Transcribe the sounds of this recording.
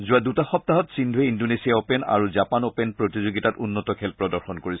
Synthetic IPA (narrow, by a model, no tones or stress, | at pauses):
zuadutaxɔp̚taɦɔtsindʱueindonesiaopɛna̰ɹuzapanopenpɹotizoɡitatunːɔtɔkʰɛlpɹɔdɔɹxɔnkoɹis